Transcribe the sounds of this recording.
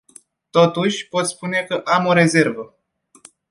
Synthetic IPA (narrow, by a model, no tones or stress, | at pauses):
t̪o̞t̪uʃʲpo̞t̪spune̞kəʔamo̞ɾe̞ze̞rvə